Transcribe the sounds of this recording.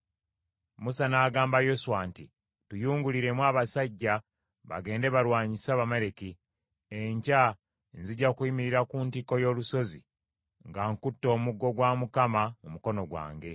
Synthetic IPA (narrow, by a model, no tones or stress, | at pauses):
musanaːɡaːmbajosuwanti | tujuːŋɡuliɾe̞mwaːβasaɟːa | βa̰ɡe̞ːnde̞βaɾwaːɲisaβameɾeki | eɲca | nziɟakwiːmiɾiɾakuntiko̞jo̞ːluso̞zḭ | ŋɡaŋkutːo̞ːmuɡːo̞ɡwamukamamumuko̞no̞ɡwa̰ːŋɡe̞